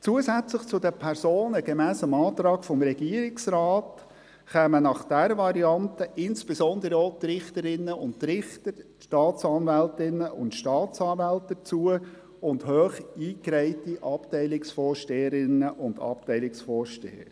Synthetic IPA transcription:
t͡suəzæt͡slɪχt͡sʊdəpʰɛɾsoːnəɡ̥emæːsəmɑːt̪ɾɑːɡ̥fɔmɾɛɡ̥iəɾɪksɾɑːt | χɛːmənɑχd̥æɾvɑɾiɑntəʔɪnsb̥esɔnd̪əɾəoːt̪rɪχtəɾɪnːəʊntɾɪχtəɾ | ʃtɑːt͡sɑnvɛltɪnːəʔʊ̰ntʃtɑːtt͡sɑːnvɛlt̚dət͡suə | ʊndhøːχiːkɾæɪtiʔɑptɛɪlɪksfɔːɾʃteːəɾɪnːəʔʊndɑ̰p̚tɛɪlɪksfɔːɾʃtḛːə̰ɾ

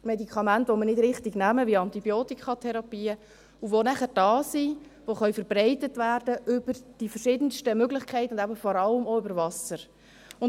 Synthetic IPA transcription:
mɛdikʰɑmæntʋoməɾnɪdɾɪχtiɡnæməʋiɑntibjoːtikχɑtʰɛɾɑpiːə | uʋonæχəɾd̥ɑːsiʋoχœʏfəɾbɾɛɪtətʋæːrdəʔʏbəɾd̥ifərʃɪdənʃtəmøɡlɪχkʰɛɪtəʊndæbəfɔɾɑləmoʏbəɾvɑsəɾ | ʊn

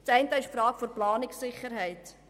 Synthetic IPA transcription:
tɛɪntəɪʃfɾɑːkfoɾplɑːnɪksɪχəɾɦɛɪt

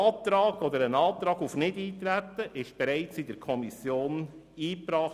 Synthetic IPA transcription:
ɑːt̪ɾɑːɡ̥ɔd̪əɾənɑːt̪ɾɑːɡufnɪdiːt̪ɾæt̪ːəʔɪʃb̥ɛɾɛɪt͡sɪdəɾkʰɔmisjoːn | iːpɾɑːχ

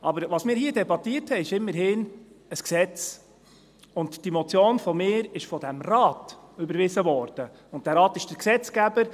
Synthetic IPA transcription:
ʔɑbəɾʋɑsmɪːɾhiːədɛbɑtːiəthɛɪɪʃɪmːəɾɦɪnəsksɛt͡s | ʊntd̥imɔt͡sjoːnfɔmɪːɾɪʃfɔd̥æmɾɑːtʏbəɾvɪzəvɔːɾd̥ə | ʊnt̚dæːɾɑːtɪʃd̥əɾksɛt͡skæbəɾ

